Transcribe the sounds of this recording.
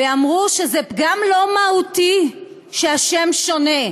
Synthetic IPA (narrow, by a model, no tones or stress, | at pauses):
eamʁuʃezɛpɡamlo̞mahuti | ʃeaʃemʃo̞ne